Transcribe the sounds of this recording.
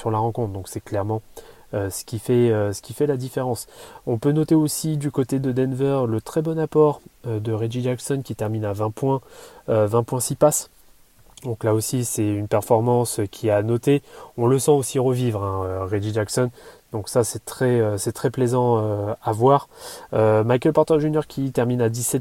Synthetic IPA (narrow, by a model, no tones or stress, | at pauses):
syʁlaʁɑ̃kɔ̃t̪χd̪ɔ̃ksɛklɛʁmɑ̃ | øsə̥kʲifɛøsə̥kʲifɛlad̪ifeʁɑ̃sɔ̃pønɔt̪eosid̪ykot̪ed̪əd̪ɛnvœʁlət̪χɛbɔnapɔʁød̪əʁeʒid͡ʒaksɔnkʲit̪ɛʁminavɛ̃pwɛ̃øvɛ̃pwɛ̃sipas | d̪ɔ̃klaosisɛynpɛʁfɔʁmɑ̃skʲʰianɔt̪eɔ̃ləsɑ̃osiʁəvivʁɛ̃øʁeʒid͡ʒaksɔnd̪ɔ̃ksasɛt̪χɛøsɛt̪χɛplezɑ̃øavwaːʁømajkʲɛlpɔʁt̪ɛʁʒynjœʁkʲʰit̪ɛʁminad̪isɛt̪